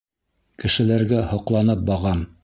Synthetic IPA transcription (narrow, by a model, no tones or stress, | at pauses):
kɘ̆ʃɘ̆læɾɡæhŏqlˠɑnɤp̚bɑʁɑm